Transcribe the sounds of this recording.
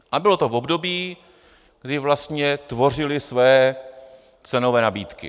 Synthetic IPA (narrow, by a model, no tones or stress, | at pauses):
ʔabɪlo̞t̪o̞vo̞bdo̞biː | ɡ̥dɪvlast̪ɲɛt̪vo̞r̝ɪlɪsvɛjɛ | t͡sɛno̞vɛːnabiːt̪kɪ̰